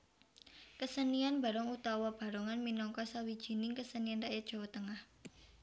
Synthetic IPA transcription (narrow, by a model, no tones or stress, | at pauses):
kəsənianba̤ɾɔŋut̪awɔb̥a̤ɾɔŋanminɔŋkɔsawid̥ʒ̥i̤nɪŋkəsənianraʔjɛdʒ̥ɔ̤wɔt̪əŋah